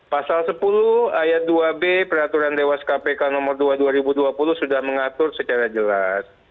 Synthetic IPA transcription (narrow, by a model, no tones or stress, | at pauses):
pasalsəpuluhajat̪̚duabepəɾat̪uɾandewaskapekanɔmɔrduaduaɾibuduapulʊhsudahməŋat̪ʊrsət͡ʃaɾad͡ʒəlas